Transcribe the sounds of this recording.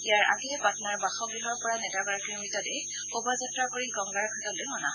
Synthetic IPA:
ijaɹa̰ɡɛpatnaɹbaxɔɡɹiɦɔɹpɔɹanɛtabaɹkɹimitɔtɛ | obazatɹakoɹiɡɔŋɡaɹkʰatɔlojmɔna

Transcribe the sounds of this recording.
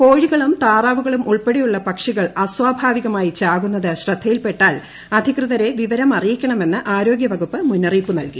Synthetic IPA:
ko̞ːɻiɣɐɭumt̪aːraːʋuɣɐɭumʔuɭpe̞ɽijuɭːɐpɐkʂiɣɐɭɐswaːbʱaːʋiɣɐmaːjit͡ɕaːɣunːɐðɨɕrɐd̪ʱːɐjilpe̞ʈːaːl | ɐd̪ʱikrɨðɐɾe̞ʋiʋɐɾɐmɐrijikʲːɐɳɐme̞nːɨʔaːɾo̞ːɡjɐʋɐɣupːɨmunːɐriːpːunɐlki

